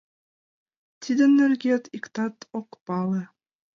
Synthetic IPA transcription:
t̪ʲʰid̪ɘ̆nːɘ̆rɡʲet̪ikt̪ɑt̪ʰokpɑlĕ

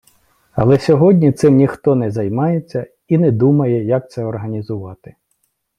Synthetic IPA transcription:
ɐ̰lˠɛsʲɔɦɔdʲnʲit̪sɪmnʲixt̪ɔnɛzɐjmɑjet͡sʲːɐ | inɛd̪umɐjɛjɐk̚t̪sɛɔrɦɐnʲizʊʋɑt̪ɪ̥

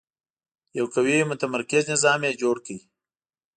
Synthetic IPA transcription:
jawkawimʊt̪amaɾkɪznɪzɑːmjed͡ʒoːɽkəi

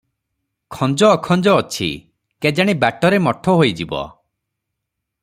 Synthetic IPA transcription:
kʰɔnd͡ʒɔːkʰɔnd͡ʒɔːt͡ʃʰḭ | ked͡ʒaɽ̃ibaʈɔɾemɔʈʰɔɦojd͡ʒibɔ̰

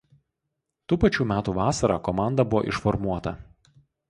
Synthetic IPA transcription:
t̪uːpɐt͡ʃʲuːmʲæːt̪uːʋɑːsɐɾɑːkɔmɑˑnd̪ɐbʊʋo̰ːʔɪʃfɔɾmuɔt̪ɐ̰

